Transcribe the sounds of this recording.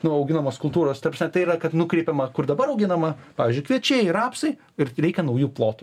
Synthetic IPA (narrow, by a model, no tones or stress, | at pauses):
nʊɐʊɡʲɪnɐmoːskʊlˠt̪uːɾoːst̪ɐɾprɐsnʲɛt̪ɐɪirɐkɐt̪nʊkɾʲɛɪpʲɛmɐkʊrd̪ɐbɐɾɐʊɡʲɪnɐmɐpɑːʋʲiːzʲd͡ʒʲʊɪkʋʲiɛt͡ʃʲeːjrɑːpsɐɪ | ɪrɾʲɛɪkʲɛnɐʊjuːplˠoːt̪ʊ